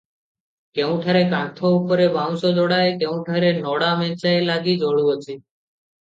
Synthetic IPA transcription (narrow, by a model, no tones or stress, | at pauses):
keũʈʰaɾekãt̪ʰoupɔɾebʱãw̃sod̪ɔɽaekeũʈʰaɾenɔɽamɛ̃t͡ʃaelaɡid͡ʒɔɭuɔt͡ʃʰi